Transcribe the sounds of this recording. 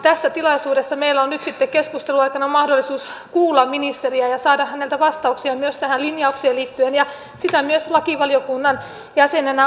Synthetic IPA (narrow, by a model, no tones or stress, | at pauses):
t̪æsːæt̪ilɑisuːdesːɑmeilæonnyt̪sit̪ːekkeskust̪eluɑikɑnɑmɑhdolːisuːskuːlːɑmminist̪eriæjɑsɑːdɑhænelt̪æʋɑst̪ɑuksiɑmyøst̪æhænlinjɑukseːliːt̪ːyenjɑ | sit̪æmyøslɑkiʋɑljokunːɑn | jæsenenæ